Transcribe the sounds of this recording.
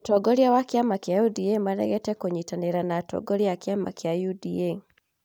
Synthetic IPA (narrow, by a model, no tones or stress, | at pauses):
utɔɡɔɾjawakjamakjajudiemanɛ̰ɣɛtɛkoɲitaneɾanatɔ̰ɡɔɾjakjama̰kjajudie